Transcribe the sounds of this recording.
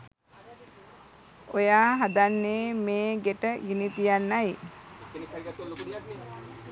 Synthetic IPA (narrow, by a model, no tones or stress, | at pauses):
ojaːɦad̪anːeːmeːɡeʈəɡinit̪ijanːaj